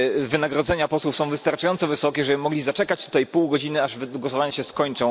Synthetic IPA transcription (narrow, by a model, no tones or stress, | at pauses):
vɘnaɡɾɔd̪zɛɲapɔswufsɔ̃w̃vɘst̪aɾt͡ʂajɔnt̪sɔvɘsɔkʲɛʐɛmɔɡlʲizat͡ʂɛkat͡ɕt̪u̥t̪ajpuwɡɔd͡ʑinɘaʐvɡwɔsɔvaɲaɕɛskɔɲt͡ʂɔ̃w̃